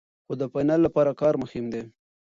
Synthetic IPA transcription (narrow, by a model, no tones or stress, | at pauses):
xod̪əfajnalːapɑɾakɑɾmʊxɪmd̪e